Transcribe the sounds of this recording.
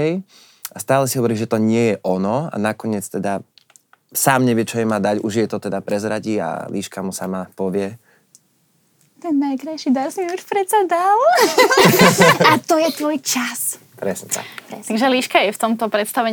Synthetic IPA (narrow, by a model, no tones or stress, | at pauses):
ɛj | ast̪aːlɛsiɦɔʋɔɾiːʒʒɛt̪ɔɲɪɛjɛʔɔnɔa̰nakɔɲɪɛt͡st̪ɛd̪a | saːmɲɛʋɪɛt͡ʃɔjɛmaːd̪aɟuʒjɛt̪ɔt̪ɛd̪apɾɛzɾaɟia̰liːʃkamusamapɔʋɪɛ | t̪ɛnːajkɾajʃid̪aɾsniut͡ʃpɾɛt͡sad̪al | at̪ɔjɛt̪ʋɔjt͡ʃas | pɾɛsɲɛsa̰tt̪aɡʒɛliːʃkajɛft̪ɔmt̪ɔpɾɛt̪st̪aʋɛɲ